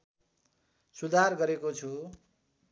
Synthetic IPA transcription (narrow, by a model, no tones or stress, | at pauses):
sud̪ʱarɡʌɾekot͡sʰu